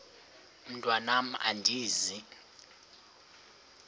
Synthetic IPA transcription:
m̩tʼwanam̩a̰ndʱiːzi

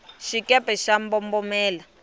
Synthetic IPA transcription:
ʃikʼɛpʼɛʃambɔmbɔmɛːla

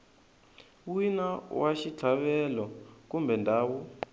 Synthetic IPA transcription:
winawaʃit͡ɬʰaβɛlɔkumbɛndʱaːwu

